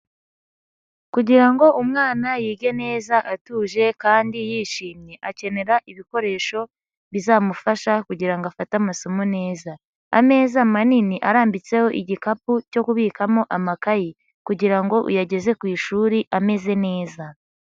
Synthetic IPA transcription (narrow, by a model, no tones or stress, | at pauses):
kuɟiɾaŋɡo̞ʔumŋaːnajiːɡe̞ne̞ːzaʔatuːʒe̞kaːndijiːʃiːmɲe̞ʔace̞ne̞ɾaʔiβiko̞ɾe̞ːʃo̞ | βizaːmufaʃakuɟiɾaŋɡafatamaso̞mone̞ːza | a̰me̞ːzamaniniʔaɾaːmbit͡se̞ho̞ʔiɟikapuco̞kuβiːkamo̞ʔamakaji | kuɟiɾaŋɡo̞ʔṵjaɟe̞ze̞kwiːʃuːɾiʔame̞ze̞ne̞ːza